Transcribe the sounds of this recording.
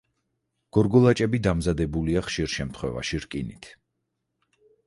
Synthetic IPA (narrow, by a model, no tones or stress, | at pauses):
ɡ̥ɔɾɡɔlˠat͡ʃʼɛbid̪amzad̪ɛbuliaχʃiɾʃɛmt̪ʰχwɛ̰va̰ʃiɾkʼinit̪ʰ